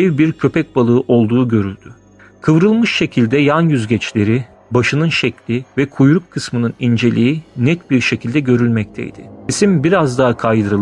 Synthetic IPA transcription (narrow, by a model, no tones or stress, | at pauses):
ɛvbiɾcʰø̞pʰɛc̚balˠɯːʔo̞lˠd̪uːɟø̞ɾylʲd̪̥y | kʰɯvɾɯlˠmɯʃʃe̞cʰilʲd̪ɛjanjyzɟɛt͡ʃlʲe̞ɾɪ | baʃɯnɯnʃɛclʲivɛkʰujɾukkʰːɯsmɯnɯnind͡ʒe̞lʲiinɛt̪biɾʃe̞cʰilʲd̪ɛɟø̞ɾylʲmɛc̚t̪ʰɛ̰jd̪̥ɪ̰isimbiɾazd̪aɦakʰajd̪ɯɾɯlˠ